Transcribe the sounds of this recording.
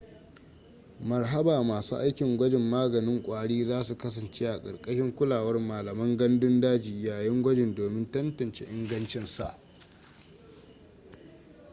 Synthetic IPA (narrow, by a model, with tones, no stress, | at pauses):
mɐ˨rɦɐ˦baː˨maː˨suː˦ʔa˦jkʲɪ˨ŋɡʷɐ˦d͡ʒɪ˨mːaː˦ɡɐ˨nɪ˦ŋkʷʼaː˦ɽiː˦zaː˦su˨kɐ˦sɐ˨nt͡ʃe˦ʔa˨kʼɐ̰˨rkʼɐ˦ʃɪ˦ŋkʷʊ˦laː˨wɐ˦rmaː˨lɐ˨mɐ˦ŋɡɐ˦ndʊ˦ndaː˦d͡ʒiː˨jaː˨jɛ˦ŋɡʷɐ˦d͡ʒɪ˨ndoː˨mɪ˦ntɐ˦ntɐ˨nt͡ʃḛ˦ʔɪ˦ŋɡɐ˦nt͡ʃɪ˦nsa̰˦ʔ